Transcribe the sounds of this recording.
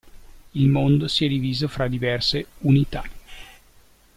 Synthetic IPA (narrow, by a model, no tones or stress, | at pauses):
ilmond̪osiɛd̪iviːzofɾad̪ivɛrseunit̪a